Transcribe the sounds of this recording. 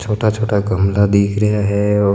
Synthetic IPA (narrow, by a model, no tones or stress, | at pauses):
t͡ʃʰoːʈat͡ʃʰoːʈaɡəmlad̪iːkʰɾəɦaɦɛː